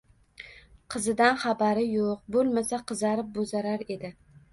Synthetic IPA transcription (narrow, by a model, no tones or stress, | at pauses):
qʰɨzɪd̪anχɑbaɾɪjoq̚bolˠmasaqʰɨzaɾɪp̚bozaɾaɾe̞d̪ɪ